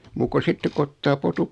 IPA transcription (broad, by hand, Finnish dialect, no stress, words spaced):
muːk ku sitːek ku otːɑː potup